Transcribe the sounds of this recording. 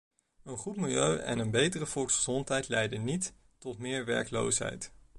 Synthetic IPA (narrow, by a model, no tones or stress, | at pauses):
ənχutmɪlˠjøɥɛ̰nənbejtərəvɔlˠksχəzɔntɦɛjtlɛjdənːitː | ɔtmɪːɹʋɛ̰ɹklo̰wsɦɛ̰jt